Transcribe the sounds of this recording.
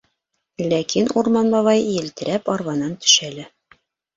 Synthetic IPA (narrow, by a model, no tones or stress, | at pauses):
lækinuɾmɑnbɑβɑjjɘ̆lt̪ɘ̆ɾæpɒɾwɑnɑnt̪ɵ̥̆ʃælæ